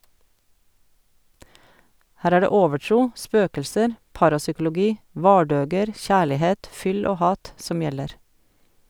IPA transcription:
ˈhæːɾ ˈæː ˈɖeː ˈoːʋəˌʈɾuː ˈspøːkl̩səɾ ˈpɑːɾɑsʏkl̩ʊˌɡiː ˈʋɑːɖøːɡəɾ ˈçæːɭɪˌheːt ˈfʏl ˈoː ˈhɑːt ˈsɔm ˈjɛləɾ

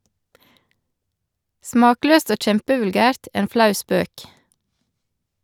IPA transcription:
ˈsmɑːˌkløːst ˈoː ˈc͡çɛmpəʋʉlˌɡæːɾt ˈeːn ˈflɑʉ ˈspøːk

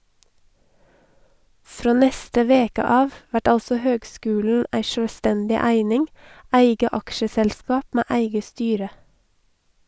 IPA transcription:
ˈfɾoː ˈnɛstə ˈʋeːkə ˈɑːʋ ˈʋæʈ ˈɑlsə ˈhøːɡˌskʉːln̩ ˈæɪ ˈʃøːˌstɛndɪ ˈæɪnɪŋ ˈæɪɡə ˈɑkʃəsɛlˌskɑːp ˈmæː ˈæɪɡə ˈstyːɾə

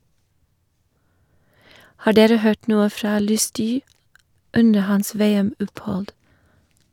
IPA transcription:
ˈhɑː ˈɖeːɾə ˈhøːʈ ˈnuːə ˈfɾɑː ˈlʉˌstyː ˈʉndə ˈhɑns ˈʋeːɛˌmɔphɔld

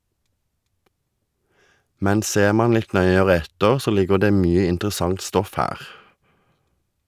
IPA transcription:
ˈmɛn ˈseːʁ ˈmɑːn ˈlɪt ˈnœʏəʁə ˈɛtəʁ ˈsoː ˈlɪɡəʁ ˈdeː ˈmyːə ɪntʁəˈsɑŋt ˈstɔf ˈhæːʁ

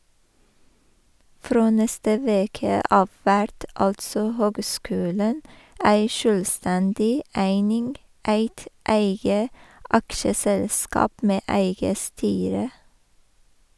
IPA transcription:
ˈfɾoː ˈnɛstə ˈʋeːkə ˈɑːʋ ˈʋæɾt ˈɑltsɔ ˈhøːɡˌskʉːlɳ̩ ˈæɪ ˈʃøːlˌstɛndɪ ˈæɪnɪnɡ ˈæɪt ˈæɪɡə ˈɑkʃəsɛlˌskɑːp ˈmeː ˈæɪɡə ˈstyːɾə

